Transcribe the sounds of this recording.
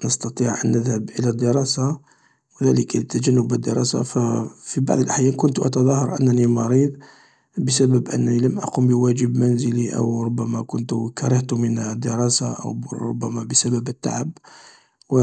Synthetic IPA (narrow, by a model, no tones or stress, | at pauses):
nəst̪ɑt̪ˤiʕʔə̰nːəðhəbʔəlæd̪ːəɾˤɑsa | wəðæləkət̪ːæd͡ʒænːʊbəd̪ːəɾˤɑ̰sa̰fæfiba̰ʕðˤəlʔħjækʊnt̪ʔɑ̰t̪ɑðˤɑhɑɾˤʔə̰nːænimɑɾid̪ˤ | bəsæbəbʔə̰nːæniləmʔɑ̰qumbəwæd͡ʒəbmænzəliʔə̰wɾˤʊbːæmækʊnt̪kɑɾˤɑht̪umənd̪ːəɾˤɑsaʔə̰wɾˤʊ̰bːæmæbəsæbæbət̪ːa̰ʕab | w